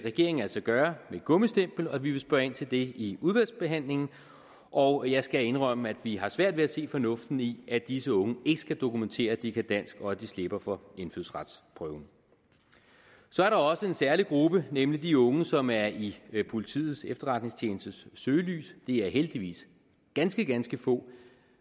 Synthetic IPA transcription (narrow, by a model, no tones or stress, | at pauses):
ʁɛɡ̥e̝ɐ̰eŋ̩æl̰sɒ̽ɡ̥ɶːɐmedɡ̥ɔ̽məsd̥em̰b̥l̩ɒʋiʋe̝sb̥ɶɐe̝n̰t͡sʰe̝ld̥e̝iuð̞ˠʋælsb̥e̝ɦæn̰le̝ŋn̩ | ʔɒ̽ʊjɑ̈ɪsɡ̥æe̝nʁœm̰əæd̥ʋiɦɑ̈sʋæɐ̰d̥ʋeæse̝̰ːfɒ̽nɔ̽fd̥n̩iʔæd̥isəɔ̽ŋəe̝ɡ̥ə̥sɡ̥æd̥o̝kʰument͡sʰe̝̰ːɐd̥ikʰæd̥æn̰sɡ̥ɒ̽d̥isle̝b̥ɐfɒ̽e̝nfyðˠsʁɑd̥spʰʁœʊn | sɒ̽æɐɾɑ̈ɒ̽səe̝nsæɐliɡ̥ʁub̥ənemlid̥iɔ̽ŋəsɒ̽mæɐipʰo̝lit͡sʰḭːð̞̩ˠsefd̥ɐʁɑ̈d̥ne̝ŋst͡sʰjeːnəsd̥əsːøːly̰ːsd̥e̝æɐɦeld̥iʋḭːs | ɡ̥ænsɡ̥əɡ̥ænsɡ̥əfɔ̰̽ː